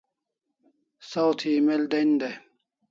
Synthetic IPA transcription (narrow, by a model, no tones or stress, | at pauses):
sawt̪ʰimeld̪end̪e